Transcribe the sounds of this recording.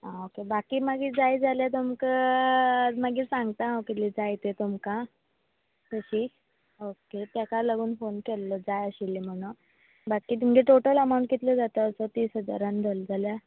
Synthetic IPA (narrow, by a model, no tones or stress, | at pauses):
aokebakiːmaɡiːd͡zajd͡zaljat̪̬umkə | maɡiːsãŋɡt̪aawkit̪liːd͡zajt̪et̪umkã | t̪əɕiː | oket̪jakalaɡuːnfonkelːəd͡zajəɕilːim̤əɽ̃u | bakiːt̪̬um̤əd͡ʑeʈoʈələmaw̃ɳʈ̚kit̪ləd͡zat̪əːsɔt̪iːsɦəd͡za̰ɾand͡zʱəld͡zʱalja